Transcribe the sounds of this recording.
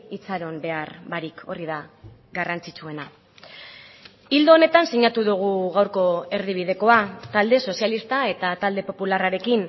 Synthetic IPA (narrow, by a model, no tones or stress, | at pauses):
it͡saɾo̞mbe̞arβaɾikʰo̞riðaɡarant͡sit͡sue̞na | ild̪o̞ːne̞t̪ansiɲat̪uðuɣ̞uɣawɾko̞e̞ɾðiβ̞ið̞e̞ko̞at̪ald̪e̞so̞sjalist̪ae̞t̪at̪ald̪e̞po̞pularaɾe̞kin